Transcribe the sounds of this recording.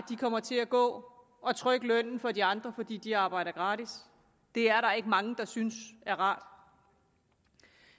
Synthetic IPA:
d̥ikʰɒ̽m̰ɐt͡sʰe̝læɡ̥ɔ̰̽ː | ɒ̽t͡sʰʁœɡ̥əlœn̰n̩fɒ̽diɑ̈nd̥ʁɐfɒ̽d̥ḭːd̥iɑ̈ːb̥ɑ̈ɪ̰ɾɐɡ̥ʁɑ̈ːd̥is | d̥e̝æɐɾɑ̈e̝ɡ̥əmɑ̈ŋəd̥ɑ̈synsæɐʁɑ̈ːd̥

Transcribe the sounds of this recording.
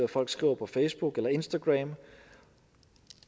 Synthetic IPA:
æfɒ̽l̰ɡ̥sɡ̥ʁḭːʊɐpʰɒ̽feɪsb̥uɡ̥elɐe̝nsd̥æɡ̥ʁɛm

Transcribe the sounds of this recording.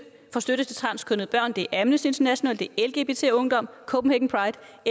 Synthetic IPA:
fɒ̽sd̥øɾ̥əsd̥e̝t͡sʰʁɑ̈nskʰɔ̽nð̩ˠb̥ɶɐ̰nd̥e̝ʔæmnəse̝nd̥ʰɐnæɕo̝nɛ̰ːld̥e̝elɡ̥e̝ːb̥e̝ːt͡sʰe̝̰ːɔ̽ŋd̥ɒ̽m̰kʰɔ̽b̥m̩heɡ̥ŋ̩pʰʁɑ̈ɪd̥

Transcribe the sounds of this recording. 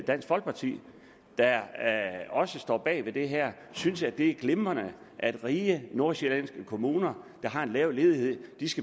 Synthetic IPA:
d̥æn̰sɡ̥fɒ̽l̰ɡ̥̚pʰɑ̈t͡sʰḭː | d̥ɑ | ɒ̽səsd̥ɒ̰ːb̥ɛ̰ːʋe̝d̥e̝ɦæɐ̰ | synsæd̥e̝æɐɡ̥lemɐnə | ʔæd̥ʁiːəno̝ɐ̰sɕelɛnsɡ̥əkʰo̝muːnɐd̥ɑ̈ɦɑ̈e̝nlɛʊle̝ːð̞ˠiɦe̝ð̰ˠd̥isɡ̥æ

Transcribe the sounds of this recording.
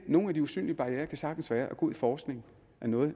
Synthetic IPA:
no̝ːn̩æd̥iusy̰ːnliəb̥ɑ̈ʁieːɐkʰæsɑ̈ɡ̥n̩sʋæːɐʔæɡ̥o̰ðˠfɒːsɡ̥ne̝ŋ | ʔæɐnɔ̽ːð̩ˠ

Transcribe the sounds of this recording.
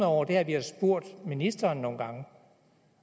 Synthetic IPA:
ɒʊ̰ɐd̥e̝æʋihɑsb̥o̝ɐ̰d̥minisd̥ɐːnːo̝ːn̩ɡ̥ɑ̈ŋə

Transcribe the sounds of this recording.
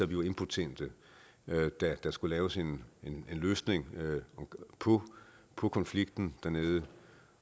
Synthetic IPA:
æʋiʋɑ̈e̝npʰut͡sʰend̥ə | ød̥æd̥æsɡ̥ulɛːʊse̝nene̝nløːsne̝ŋ | pʰɔpʰɒ̽kʰɒ̽nfliɡ̥d̥n̩d̥æɐne̝ːðˠə

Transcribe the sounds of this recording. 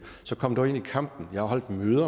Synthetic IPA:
sɒ̽kʰɒ̽md̥ɑe̝nikʰɑ̈m̰b̥n̩jɑ̈hähɒ̽l̰d̥møːðˠɐ

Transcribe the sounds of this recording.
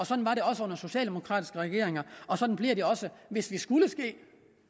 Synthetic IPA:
ɒ̽sɒd̥n̩ʋɑ̈ɾe̝ɒ̽səɔ̽n̰ɐso̝ɕɛ̰ːld̥e̝mo̝kʰʁɑ̰ːd̥i̥sɡ̥əʁɛɡ̥e̝ɐeŋɐɒ̽sɒ̽d̥n̩b̥liɐd̥eɒ̽səʋe̝sʋisɡ̥uləsɡ̥e̝̰ː

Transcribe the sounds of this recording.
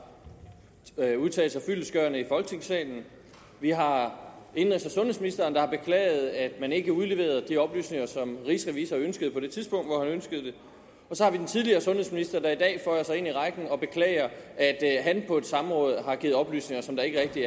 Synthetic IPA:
uðˠt͡sʰɛ̰ːl̩sɑ̈ɪfyləsɡ̥ɶɐnəifɒ̽lɡ̥t͡sʰe̝ŋsɛ̰ːln̩ | ʋiɦɑ̈e̝nʁisd̥ɐsɔ̽nhesminisd̥ɐːnd̥ɑ̈hɑ̈b̥e̝kʰlɛ̰ːɪð̩ˠæd̥mæne̝ɡ̥əuðˠle̝ʋe̝̰ːɐð̩ˠd̥iɒ̽b̥ly̰ːsne̝ŋɐsɒ̽mʁiːsʁɛʋiːsɐønsɡ̥əðˠpʰɒ̽d̥e̝t͡sʰiðˠsb̥ɔ̽ŋ̰d̥ʋɒhænønsɡ̥əð̞̩ˠd̥e̝ | ɒ̽sɒ̽hɑ̈ʋid̥ent͡sʰiðˠliɐːsɔ̽nhesminisd̥ɐd̥ɑidɛ̰ːfɒjɑsɑ̈ɪe̝niʁɑ̈ɪɡ̥n̩ɒ̽b̥e̝kʰlɛ̰ːɪɐæd̥ɦænpʰɒ̽e̝d̥sɑ̈m̩ʁɔ̽ːð̞ˠɦɑ̈ɡ̥iːð̩ˠɒ̽b̥ly̰ːsne̝ŋɐsɒ̽md̥ɑ̈e̝ɡ̥əʁɛɡ̥̚d̥i

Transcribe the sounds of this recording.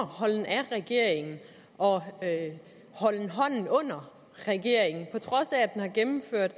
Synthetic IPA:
hɒ̽l̰n̩æʁɛɡ̥e̝ɐ̰e̝ŋn̩ | ʔɒ̽ | hɒ̽l̰n̩ɦɒ̽n̰n̩ɔ̽n̰ɐ | ʁɛɡ̥e̝ɐ̰e̝ŋn̩pʰɒ̽t͡sʰʁɒ̽sæːd̥enhɑ̈ɡ̥emm̩føɐ̰d̥

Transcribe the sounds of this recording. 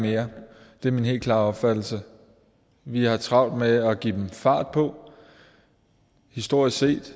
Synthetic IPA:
me̝ːɐd̥e̝ɐminɦe̝̰lkʰlɑ̈ːɒ̽b̥fæd̥l̩sə | ʋihɑ̈t͡sʰʁɑ̈ʊ̰d̥meæɡ̥ḭːd̥emfɑ̈ːd̥̚pʰɒ̽ | hisd̥o̝ɐ̰isse̝̰ːd̥

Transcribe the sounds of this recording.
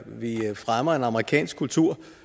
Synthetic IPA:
ʋifʁamɐe̝nɑ̈məʁikʰɛ̰ːnsɡ̥kʰult͡sʰuɐ̰

